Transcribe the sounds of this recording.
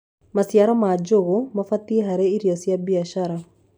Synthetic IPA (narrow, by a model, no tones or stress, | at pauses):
masiaɾɔmad͡ʒoɣomafatieɦaɾeiɾiɔsjabiaʃaɾa